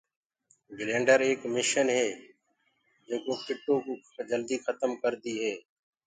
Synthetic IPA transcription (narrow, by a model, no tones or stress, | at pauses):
ɡɪlẽːɳɖəɾeːkmɪʃənɦɛː | d͡ʒɪːkoːkɪʈːõːkː | d͡ʒəld̪iːxʰət̪əmkəɾd̪iːɦɛː